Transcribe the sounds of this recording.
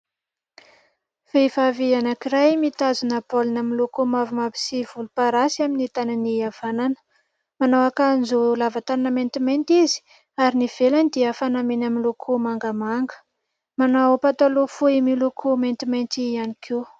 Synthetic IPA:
v̥evavianakiɾajmit̪azunapolinamilukumavimapi̥siv̥ulupaɾasiaminit̪ananiav̥ananə̥ | manowakanzulavat̪ananəment̪iment̪izi̥ | aɾiniv̥eland̪iəfanamenaminlukʰumaŋɡəmaŋɡə̥ | manapat̪alufuimilukʰument̪iment̪ianikʰew

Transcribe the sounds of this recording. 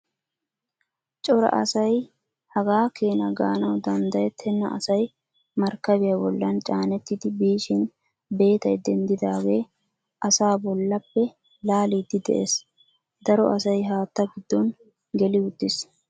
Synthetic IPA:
t͡ʃʼɔɾɐ̰ʔɐ̰sɐj | hɐɡaːkeːnɐɡa̰ːnɐwd̪ɐnd̪ɐjɛt̪ʰɛnːɐ̰ʔɐ̰sɐj | mɐɾkːɐbɪjɐbɔlːɐnt͡ʃʼaːnɛt̪ːɪd̪ɪbiːʃɪn | be̞ːt̪ɐjd̪ɛnd̪ɪd̪aːɡe̞ː | ʔɐsaːbɔlːɐpːɛ | laːlid̪ɪd̪ɛ̰ʔes | d̪ɐɾɔʔɐsɐjɦaːt̪ːɐɡɪd̪ːɔn | ɡɛlɪʊd̪ːɪs

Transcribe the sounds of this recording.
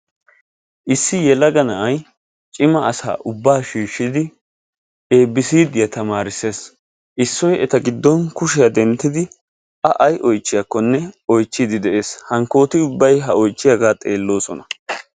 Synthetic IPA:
ʔɪsːɪjɛlɐɡɐnɐʔɐj | t͡ʃʼɪmɐːsa̰ːʔʊbːaːʃiːʃːɪd̪ɪ | eːbːɪsiːd̪ɪjɐt̪ɐmaːɾɪse̞ːs | ʔɪsːɔjɛt̪ɐɡɪd̪ːɔnkʊʃɛjɐd̪ɛnt̪ːɪd̪ɪ | ʔɐʔɐjʔɔjt͡ʃːɪjakːɔnːɛɔjt͡ʃːɪd̪ɪd̪ɛʔe̞ːshɐŋko̞ːt̪ɪʊbːɐjɦɐɔjt͡ʃːɪjaɡaːt̪ʼe̞ːlːo̞ːsɔnɐ

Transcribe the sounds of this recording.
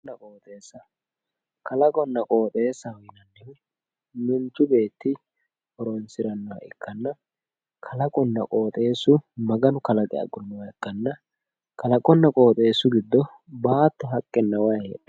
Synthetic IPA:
ɐkʼoːt̪ʼe̞ːsːɐ | kɐlɐkʼɔnːɐkʼoːt̪ʼe̞ːsːɐwɔjɪnɐnːɛ | mɪnt͡ʃːʊbe̞ːt̪ːɪ | hɔɾonsɪɾɐnːɔwɐ̰ʔɛkːɐnːɐ | kʰɐlɐkʼɔnːɐ̰kʼo̞ːt̪ʼe̞ːsːʊmɐɡɐnʊkɐlɐkʼɛ̰ɐ̰ɡɔnːɔwɐɛkːɐnːɐ | kɐlɐkʼɔnːɐkʼo̞ːt̪ʼe̞ːsːʊɡɪd̪ːɔ | baːt̪ːɐɦɐkʼːɛnːɐwae

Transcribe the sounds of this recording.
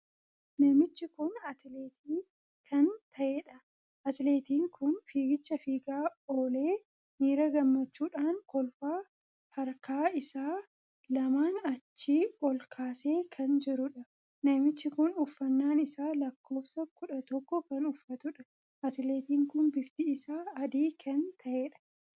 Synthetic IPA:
nɐmɪt͡ʃːɪkʊnɐt̪leːt̪iː | kʰɐnt̪ʰɐʔeːᶑɐ | ɐt̪le̞ːt̪iːŋkʰʊnfiːɡɪt͡ʃːɐfiːɡaːoːle̞ː | miːɾɐɡɐmːɐt͡ʃːuːᶑaːŋkɔlfaː | hɐɾkaːɪsaː | lɐmaːnɐt͡ʃːiːʔɔlkʰaːse̞ːkʰɐnd͡ʒɪɾʊᶑɐ | nɐmɪt͡ʃːɪkʊnʊfːɐnːaːnɪsaːlɐkːo̞ːfsɐkʊᶑɐt̪ɔkːɔkɐnʊfːɐt̪ʊᶑɐ | ɐt̪le̞ːt̪iːŋkʊnbɪft̪iɪsaːɐd̪iːkʰɐnt̪ʰɐʔeːᶑɐ̥

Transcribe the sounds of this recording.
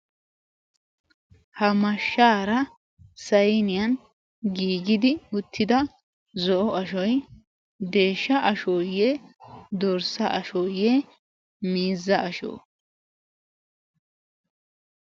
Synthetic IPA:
hɐmɐʃːaːɾɐ | sɐjnɪjɐn | ɡiːɡɪd̪ɪʊt̪ʰːɪd̪ɐ | zɔʔɔɐʃɔj | d̪e̞ːʃːɐʔɐʃojɛd̪ɔɾsɐʔɐʃɔjɛ | miːzːɐʔɐʃo̰ː

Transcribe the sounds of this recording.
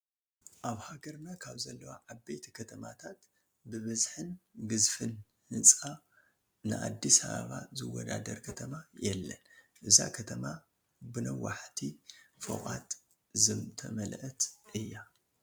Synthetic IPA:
ʔaβhaɡɐɾnakʰaβzɐlːɐwaʕabːejt̪ʰikʰɐt̪ʰɐmat̪ʰat̪ | bɨβɐzħɨnɡɨzfɨn | hɨnt͡sʼa | nɨʔad̪ːisɐβa̰βazɨwːɔd̪ad̪ɐɾkʰɐt̪ʰɐmajɛlːɐnʔɨza̰kʰɐt̪ʰɐma | bɨnɐwaħt̪ʰifo̰kʼat̪ | zɨmt̪ʰɐmɐlʔt̪ʔɨjːa

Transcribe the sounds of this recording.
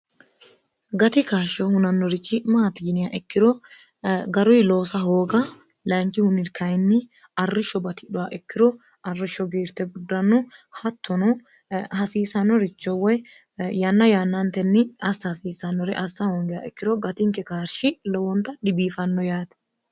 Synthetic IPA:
ɡɐt̪ɪkaːʃɔhʊnɐnːɔɾɪt͡ʃːɪmaːt̪iːnɪjaʔɛkːɪɾɔ | ɡɐɾɔjlo̞ːsɐɦo̞ːɡɐ | lɐŋkːɪhʊnɪɾkɐjnːɪ | ɐrːɪʃːɔbɐt̪ɪᶑʊwaʔɛkːɪɾɔ | ɐrːɪʃːɔɡeːɾt̪ɛɡʊd̪ːɐnːɔhɐt̪ʰːɔnɔ | hɐsiːsɐnːɔɾɪt͡ʃːɔwɔj | janːɐjanːɐnt̪ɛnːɪɐsːɐsiːsːɐnːɔɾɛʔɐsːɐhɔŋɡɪjaʔɛkːɪɾɔɡɐt̪ɪŋkːɛkaːɾʃɪlɔwɔnt̪ɐᶑɪbiːfɐnːɔjaːt̪ɛ̥

